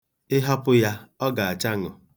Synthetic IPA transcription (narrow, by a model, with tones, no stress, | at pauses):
ɪ˦ɦɔ˦pʊ˦ja˦ɔ˦ɡa˨a˨t͡ʃa˦ŋɔ̰˨